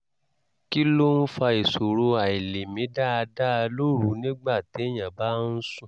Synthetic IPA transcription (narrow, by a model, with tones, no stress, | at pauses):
ki˦lo˦n̩˦fa˧e˨so˨ɾo˧a˨i˨le˨mĩ˨˦da˦a˧da˦˧lo˦ɾu˨˦nĩ˦ɡ͡ba˦˨ti˨˦e˦j̃ã˨ba˦n̩˦sũ˦˨